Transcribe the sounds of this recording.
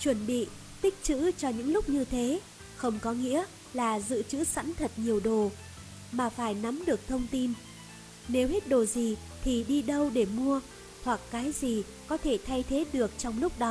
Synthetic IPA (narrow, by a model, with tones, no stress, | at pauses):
t͡ɕwə˧˩nɓḭ˧˨ | t̪ï˦˥k̟̚t͡ɕɨ̰˧˥t͡ɕɔ˧ɲɨ̰˧˥ŋlʊ˦˥k͡p̚ɲɨ˧t̪ʰe˨˦ | xə˧wŋ͡mkɔ˨˦ŋḭ˧˥ə | laː˨˩zɨ̰˧˨t͡ɕɨ̰˧˥sa̰˧˥nt̪ʰə˨˩t̚ɲi˨˩əwɗo˨˩ | maː˨˩faː˧˩jna˨˦mɗɨ˨˩ək̚t̪ʰə˧wŋ͡mt̪i˧n | ne˨˦whe˦˥t̚ɗo˨˩zi˨˩ | t̪ʰi˨˩ɗi˧ɗə˧wɗe˧˩mu˧ə | thʰwa˨˩kːaː˨˦jzi˨˩ | kɔ˨˦t̪ʰe˧˩t̪ʰa˧jt̪ʰe˨˦ɗɨ˨˩ək̚t͡ɕɔ˧wŋ͡mlʊ˦˥k͡p̚ɗɔ˨˦